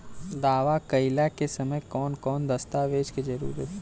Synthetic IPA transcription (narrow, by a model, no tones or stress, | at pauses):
d̪aːʋakɐɪlakesɐməjkɔːnkɔːnd̪ɐst̪aːʋeːd͡ʒked͡ʒɐɾṵːɾət̪ʰ